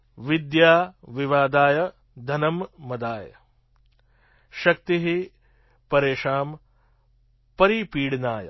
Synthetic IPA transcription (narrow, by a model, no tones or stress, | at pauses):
ʋid̪jaːʋiʋaːd̪aːjɐ | d̪ʱɐnɐmːɐd̪aːjɐ̰ | ʃɐk̚t̪iɦi | pɐɾeːʂaːm | pɐɾipiːɽnaːjɐ̰